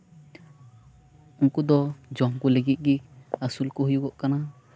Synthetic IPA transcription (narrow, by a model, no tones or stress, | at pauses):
uŋkud̪ɔd͡ʒɔŋkuleɡit̪̚ˀɡiasulkuɦujuɡɔʔkana